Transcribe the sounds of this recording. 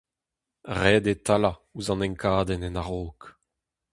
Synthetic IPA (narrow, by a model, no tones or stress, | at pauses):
ʁɛːd̪et̪alauzɑ̃nɛ̃ŋkʰaːd̪ɛnɛnaʁoːk